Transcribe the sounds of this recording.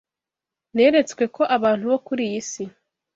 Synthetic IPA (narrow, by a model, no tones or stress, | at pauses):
ne̞ːɾe̞t͡skwe̞ko̞ʔaβaːn̥huβo̞kuɾijisi